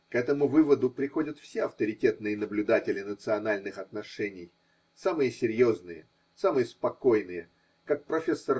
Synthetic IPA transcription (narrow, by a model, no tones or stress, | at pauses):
kɛt̪əmʊvɨvəd̪ʊpɾʲɪxo̞dʲət̪fsʲeɐft̪əɾʲɪtʲe̞t̪nɨjənəblʲʊd̪atʲɪlʲɪnət̪sɨɐnalʲnɨxɐt̪nɐʂɛnʲɪj | samɨjəsʲɪɾʲjo̞znɨjə̰ | samɨjəspɐko̞jnɨjə | kak̚pɾɐfʲe̞sːər